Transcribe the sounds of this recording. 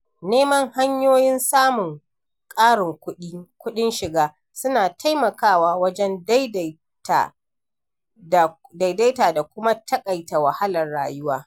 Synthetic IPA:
neː˦mɐ˦ŋha˦ɲjoː˦jɪ˦nsaː˦mʊ˨ŋ | kʼaː˦ɽɪ˨ŋkʊ˦ɗi˦kʷʊ˦ɗɪ˦nʃɪ˨ɡaː˦ | sʊ˦naː˨tʰa˦jmɐ˨kaː˦˨waː˨wɐ˦d͡ʒɛ˦nda˦jd | ta̰˨ | da˨da˨jda˦jtaː˨da˨kʷʊ˦ma˦tʰɐ˦kʼa˨jta˨wa˨ha˦lɐ˨rɽa̰ː˨jʊ˦waː˦

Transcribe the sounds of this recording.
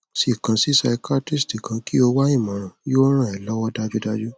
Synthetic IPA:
si˦˨kã˧si˦sa˧i˧ka˦ti˦sti˨kã˧ki˦o˧wa˦ĩ˦˨mã˨ɾ̃ã˨jo˦ɾ̃ã˦˨ɛ˨lɔ˨˦wɔ˦da˧d͡ʒu˦da˧d͡ʒu˦

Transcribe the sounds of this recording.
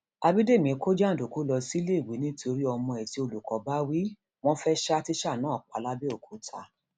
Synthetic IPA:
a˧bi˦de˦˨mĩ˨˦ko˦d͡ʒa˦˨do˨ko˨˦lɔ˧si˦le˦i˨wi˨˦nĩ˦ti˦o˧ɾi˦ɔ˧mɔ̃˧ɛ˨ti˧o˧lu˨kɔ˨˦ba˦wi˦ | w̃ɔ̃˦fɛ˦ʃa˦ti˦ʃa˦˨nãː˨˦˨k͡pa̰˨˧˦la˦be˦o˦˨kʰo˨˦tʰa̰˧˦

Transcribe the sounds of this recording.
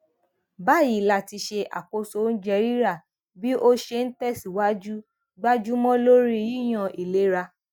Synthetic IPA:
ba˦˨ji˨la˦˨ti˧ʃe˧ʔa̰˨ko˧so˧˦n̩˦d͡ʒɛ˧ɾi˦ɾa˦˨ | bi˦ʔo˦ʃe˧n̩˦tɛ˦˨si˨wa˦d͡ʒu˦ | ɡ͡ba˦d͡ʒu˦mɔ̃˦lo˦ɾi˦ji˦˨j̃ã˨i˨le˨˦ɾa˧

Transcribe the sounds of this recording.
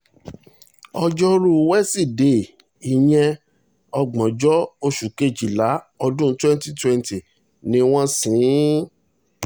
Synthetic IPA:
ɔ˧d͡ʒɔ˦ɾu˦wɛ˦si˦˨de˨ | i˨j̃ɛ̃˧ | ɔ˧ɡ͡bɔ̃˨d͡ʒɔ˦o˧ʃu˨ke˦˨d͡ʒi˨la˨˦ | ɔ˧dũ˦twɛ̃˦n˦ti˦twɛ˦nti˨ | nĩ˦w̃ɔ̃˦sĩ˨˦

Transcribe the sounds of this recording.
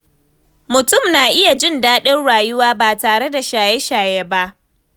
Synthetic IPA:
mʊ˨tʊ˦˨mnaː˨ʔɪ˦ja˨d͡ʒɪ˦ndaː˦ɗɪ˦nɽaː˨jʊ˦waː˦baː˨taː˨ɽe˦da˨ʃaː˨jɛ˦ʃaː˨jeː˦ba˦ʔ

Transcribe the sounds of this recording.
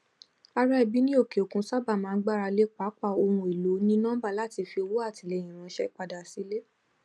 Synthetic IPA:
a˧ɾa˦ɛ˦˨bi˨˦nĩ˦o˦˨ke˨o˨kũ˧sa˦˨ba˦˨mãː˨˧˦ɡ͡ba˦˨ɾa˧le˦k͡pa˨˦k͡pa˦˨o˧ɾũ˧˨i˨lo˨˦nĩ˦nã˦ba˦˨la˦˨ti˧fi˧o˧wo˦a˦˨ti˨˧˦le˧˨j̃ĩ˨ɾ̃ã˨˧˦ʃɛ˦k͡pa˧da˨si˦le˦

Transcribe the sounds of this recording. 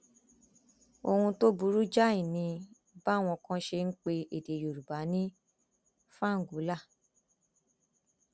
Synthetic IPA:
o˧hũ˧to˦bu˧ɾu˦d͡ʒa˦i˦˨nĩ˧ | ba˦˨w̃ɔ̃˧kɔ̃˦ʃe˧n̩˦k͡pe˧e˨de˨jo˨ɾu˨ba˨˦nĩ˦ | fã˦˨ŋ̩˨ɡu˨˦la˦˨

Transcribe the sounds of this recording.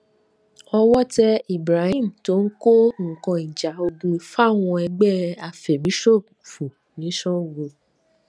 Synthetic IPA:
ɔ˧wɔ˦tɛ˦i˨bɾa˨˦hĩ˦˨m̩˨to˦n̩˦ko˦ŋ̩˨kɔ̃˧i˨d͡ʒa˨o˧du˧˦fa˦˨w̃ɔ̃˧ɛ˧ɡ͡bɛ˦a˧fɛ˨mĩ˨˦ʃo˦˨ | fu˨ | nĩ˨˦ʃɔ̃˦˨wo˧

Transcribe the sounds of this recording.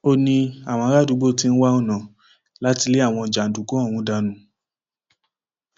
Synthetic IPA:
o˦nĩ˧a˨w̃ɔ̃˧ɾa˦du˨˧˦ɡ͡bo˦ti˧n̩˦wa˦o˦˨nã˨ | la˦ti˧le˦a˦˨w̃ɔ̃˧˨d͡ʒa˨n̩˨du˨ko˨˦ɔ̃˦˨wũ˧˦da˧nũ˨˦

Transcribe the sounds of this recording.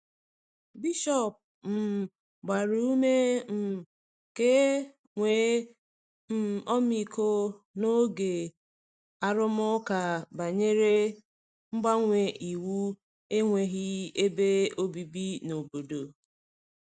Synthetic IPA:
bi˦ʃɔ˦˨p̚ | m̩˨ | ɡ͡ba˨ɾu˦u˦me˦m̩˨ | ke˦ | ŋʷe˨˦ | m̩˦ɔ˦mi˦˨ko˦ | no˦ɡe˨ | a˦ɾʊ˦m˦ʊ˦ka˨ba˨ɲe˦ɾe˦ | ŋ͡m̩˦ɡ͡ba˦ŋʷe˨ʔi˨wu˦ | e˦ŋʷe˨ɦi˦e˦be˦o˦bi˨bi˦no˨bo˨do˨

